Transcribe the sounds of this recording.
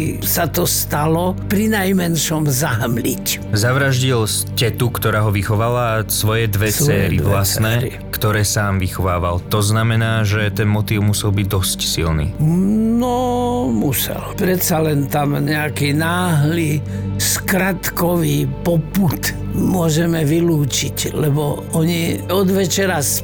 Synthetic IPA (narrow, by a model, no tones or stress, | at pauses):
sat̪ɔst̪alɔpɾinajmɛnʃɔmzaɦmliczaʋɾaʒɟils | cɛt̪ukt̪ɔɾaːɦɔʋixɔʋalasʋɔjɛd̪ʋɛt͡sɛːɾḭvlasnɛːɾḭ | kt̪ɔɾɛːsaːmʋixɔʋaːʋalt̪ɔznamɛnaːʒɛt̪ɛnmɔt̪iːʊmusɛlˠbiɟ̚d̪ɔscsḭlnḭːnɔmusɛ̰lpɾɛt̪salɛnt̪amɲɛakiːnaːɦliː | skɾat̪kɔʋiːpɔput̪ | mʊɔʒɛmɛʋiluːt͡ʃiclɛbɔ | ɔɲiɔd̪ʋɛt͡ʃɛɾas